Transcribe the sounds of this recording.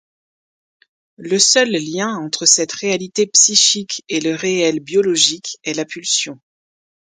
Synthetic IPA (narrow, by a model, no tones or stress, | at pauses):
ləsœlːjɛ̃ɑ̃t̪χəsɛt̪ʁealit̪epsiʃikeləʁeɛlbjɔlɔʒikɛlapylsjɔ̃